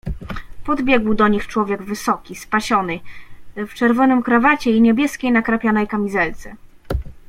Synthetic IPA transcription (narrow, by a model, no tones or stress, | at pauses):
pɔd̪bʲjɛɡwd̪ɔɲixt͡ʂwɔvʲjɛɡvɘsɔkʲispaɕɔnɘft͡ʂɛɾvɔnɘmkɾavat͡ɕɛiɲɛbʲjɛskʲejnakɾapʲjanɛjkamʲizɛlt̪sɛ